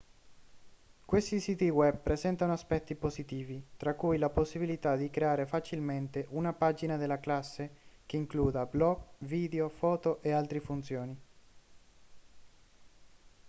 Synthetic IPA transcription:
kwest̪isiːt̪iwɛb̚pːɾezɛnt̪anoaspɛt̪ːiposit̪iːvit̪ɾakːujlaposːibilit̪ad̪ikɾeaːɾefat͡ʃilment̪eʔunapad͡ʒinad̪elːaklasːekeiŋkluːd̪ablɔɡviːd̪eofɔːt̪oʔealt̪ɾifunt̪sjoːni

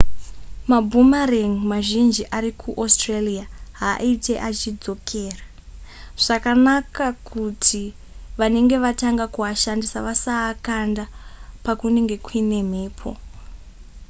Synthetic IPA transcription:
mabʱumareŋimaʒind͡ʒiʔaɾikʰuʔostreliaɦaʔite̞ʔat͡ʃid͡zo̞kʰe̞ːra | ʐ̥akanakakʰutʰi | ʋane̞ŋɡe̞ʋataŋɡakuʋaʃandisaʋasaːkandapakune̞ŋɡe̞kwine̞m̤e̞ːpʰo̞̰

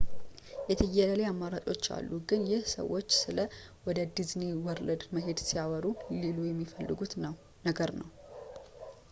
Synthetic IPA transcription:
jɛt̪ʰɨjːɛləleamːaɾat͡ʃʼo̞t͡ʃːa̰lːuɡɨnjɪhsə̰wːot͡ʃːsɨləwɔd̪əd̪ɨznewɔɾləd̪məɦe̞d̪sijawəɾulelujɛmːifəlːɨ̰ɡut̪ə | nəɡəɾnəw

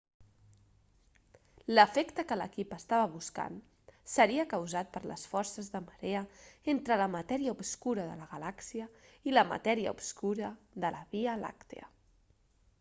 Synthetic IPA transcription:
ləfekt̪əkələ̰kipəst̪aβəβ̞uska̰n | səɾiəkəwzat̪̚pəɾlə̰sfɔɾsəzðəməɾeəent̪ɾələmət̪ɛɾiəupskuɾəðə̰ləɣəlaksiəiləmə̰t̪ɛɾiə̰ṵpskuɾə | ðələβiəla̰kt̪ḛə̰

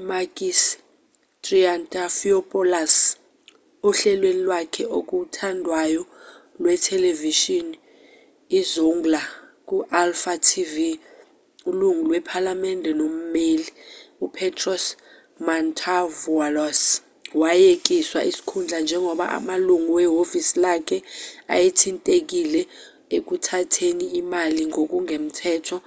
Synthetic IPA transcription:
makʼis | tʼriantʼafiɔpʼɔlas | uɬɛlwenilwakʰɛʔok̬ʼutʰandʱwajɔlwɛtʰɛleviʃɔn | izuŋɡlak̬ʼuʔalfatʰivi | uluŋulwɛpʰalamɛndʱɛnom̩meːliupʰɛtʰʼrɔs | mantʰavualɔs | wajek̬ʼiswaʔisi̥kʰund͡ɮʱand͡ʒʱɛŋʱɔɓa̰ʔa̰maluŋuwɛɦofisilakʰɛa̰jetʰintʼek̬ʼilɛ | ek̬utʰatʰeniːmaliŋʱok̬ʼuŋʱem̩tʰɛːtʰɔ

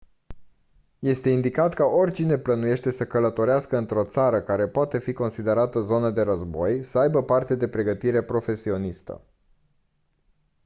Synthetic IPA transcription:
je̞st̪e̞ind̪ikat̪kaʔo̞rʲt͡ʃine̞plənuje̞ʃt̪e̞səkələt̪o̞ɾeaskəɨnt̪ɾo̞t̪saɾəkaɾe̞poat̪e̞fiko̞nsid̪e̞ɾat̪əzo̞nəd̪e̞ɾəzbo̞jsəajbəpart̪ed̪e̞pɾe̞ɡət̪iɾe̞pɾo̞fe̞sio̞nist̪ə̰

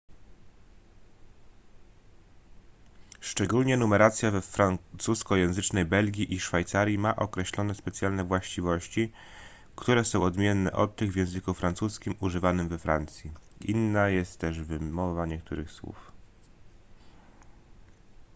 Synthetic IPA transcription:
ʂt͡ʂɛɡulɲɛnumɛɾat̪sʲjavɛfɾant̪suskɔjɛ̃w̃zɘt͡ʂnɛjbɛlɡʲiʔiʂfajt̪saɾʲjimaʔɔkɾɛɕlɔnɛspɛt̪sʲjalnɛvwaɕt͡ɕivɔɕt͡ɕi | kt̪uɾɛsɔ̃w̃ɔd̪mʲjɛnːɛ̰ʔɔt̪t̪ːɘɣvʲjɛ̃w̃zɘkufɾant̪suskʲimuʐɘvanɘmvɛfɾant̪sʲjiinːajɛst̪ːɛʐvɘmɔvaɲɛk̚t̪uɾɘxswṵf

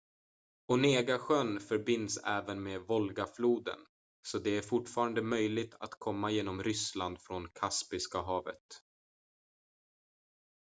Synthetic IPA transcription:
ɔneːɡaɧœnfœɾbɪnd̪sɛ̰ːvənmeːvɔlɡafluːd̪ə̰n | sɔd̪ɛæɾfʊʈfɑːɾand̪əmœjlɪɡ̚t̪ʰa̰t̪kʰɔmːajeːnɔmɾʏsland̪fɾɔnkʰaspɪskaɦɑːvə̰t̪

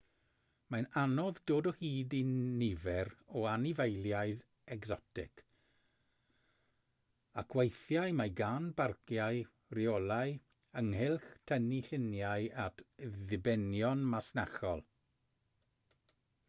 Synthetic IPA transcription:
majnanɔðdoːdɔhiːdinɪvɛɾɔanivejlˠjajð | ɛɡzɔtʰɪ̰k | akʰwejθjajmajɡanbarkjaɨ | riɔlˠaɨ | əŋhɪlˠχtʰəniɬɪnjajatʰðɪbɛnjɔnmasnaχɔ̰lˠ

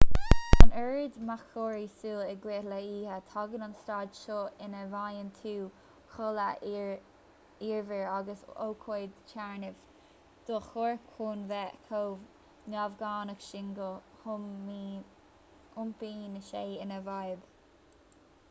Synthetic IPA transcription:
ənɛɹɪd̪maxʰoːɹisuːɛɡweːtləiːhət̪ʰɑɡənanstɑːdʃoɪnəvajənt̪ʰuː | xʊlə | iːɹvəɹaɡəso̰kʰoːd̪t͡ʃʰaɹnɪv̥ | d̪̥oːxoɹkʰuːnvɛkʰoːv | navɡaːnəkʃɪŋɡəhʊmi | ʊmpiːnəʃeːɪnəvajəb

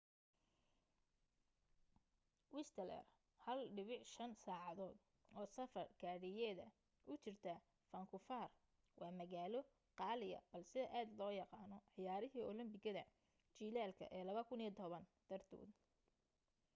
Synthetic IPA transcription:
wɪst̪ʰɐlɛ̰r | hɐlɖɪβɪʕʃɐnsaːʕɑðɔːd̪ | ɔːsɐfɐrɡʰaːɽɪjɛːðɐ | ʔʊt͡ʃɪrt̪ʰɐ | fɐŋkʰʊfaːr | wʔɑːmɐɣaːlɔ | qɑːlɪjɐ̰bɐlsɪðɐʔaːd̪lɔːjɑqɑːnɔʕɪjaːɾɪɦiːɔlɐmbɪɣɐðɐ | t͡ʃiːlaːlkʰɐ̰ʔɛːlɐβɐkʰʊnit̪ʰɔβɐnd̪̥ɐrd̪ʰṵːd̪

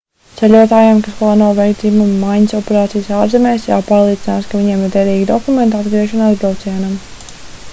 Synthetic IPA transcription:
t̪sɛlʲuɔt̪aːjamkasplˠaːnuɔvɛjkd̪zimumːajɲəsɔpɛɾaːt̪sijsaːɾzɛmɛːsja̰paːɾlˠiːinaːskaviɲeɛmiɾd̪ɛɾiːɡid̪ɔkument̪ad̪ɡɾiɛʃɔnabɾalˠt̪siɛnam

